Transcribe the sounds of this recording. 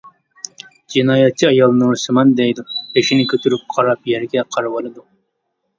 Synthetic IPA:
d͡ʒinɑːjɛt̚t͡ʃʰːiɑjɑlˠnuɾsɨmɑnd̪ɛjd̪upʰeʃinɪkʲʰøt̪yɾyp̚qʰɑɾɑpjɛɾɡʲɛqʰɑɾwɑlˠɨd̪ʊ

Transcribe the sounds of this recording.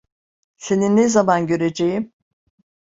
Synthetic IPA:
se̞ninːezamanɟø̞ɾed͡ʒejim

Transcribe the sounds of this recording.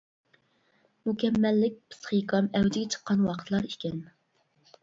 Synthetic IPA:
mukʲɛmːɛlːɪk̚ʲpʰɨ̥sχikɑmɛwd̪ɪɡʲɛt͡ʃʰə̥qːɑnwɑqʰət̪ʰlˠɑɾikʲʰɛn

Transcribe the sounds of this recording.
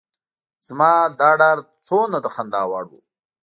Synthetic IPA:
z̥mɑːd̪ɑːɖaɾt͡sonad̪əxand̪ɑːwɑɽṵ

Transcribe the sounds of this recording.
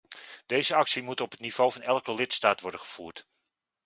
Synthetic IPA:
d̥ejzəɑksimutɔpɦətniv̥owvɑnɛlˠkəlɪtstaːtʋɔɹdəχəv̥uːɹt

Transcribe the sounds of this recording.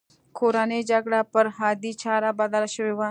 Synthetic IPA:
kʰoːɾaːneːd͡ʒaɡɽaːpəɾɦaːd̪iːt͡ʃʰaːɾaːbaːd̪aːlʃəʋeːʋaː

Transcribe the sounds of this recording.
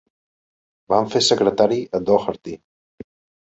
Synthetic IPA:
baɱfesəkɾət̪aɾiəd̪oxəɾt̪i

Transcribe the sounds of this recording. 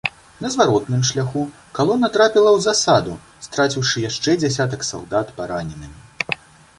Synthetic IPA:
nɐzvaɾɔt̪nɨmʂlʲaxu | kalˠɔnːɐt̪ɾapʲilˠɐwzasad̪u | st̪ɾat͡sʲiwʂɨjaʂt͡ʂɛd͡zʲasʲat̪̬ɐksa̰lˠd̪at̪paɾanʲɛnɨm

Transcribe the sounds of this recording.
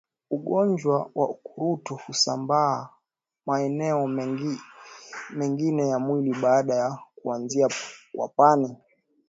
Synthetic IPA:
uɠɔnd͡ʒwawʔa̰ukuɾutɔhusambaː | maɛnɛɔ | mɛŋɡinɛjamwiliɓaːɗajakuanziakwa̰pani

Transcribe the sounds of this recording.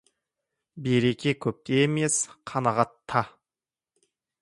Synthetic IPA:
beɾe̞kʲe̞kʲʰɵp̚t̪eːme̞sqʰɑnɑʁɑt̪ʰːɑ

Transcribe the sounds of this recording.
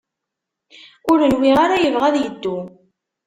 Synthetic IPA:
ʊɾənwiʁaɾajəvʁæðjəd̪ːu

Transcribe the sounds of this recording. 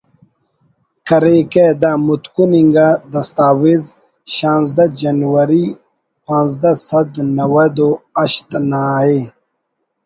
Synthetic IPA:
kɐɾeked̪amut̪kuniŋɡad̪ɐst̪aːwiz | ʃãːnzd̪ɐd͡ʑɐnwɐɾi | pãːnzd̪ɐsɐd̪nɐwɐd̪oɐɕt̪naːe

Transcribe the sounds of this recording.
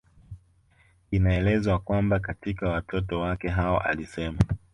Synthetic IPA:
inaɛlɛzwakwambakatikawatɔtɔwakɛɦaɔʔa̰lisɛma

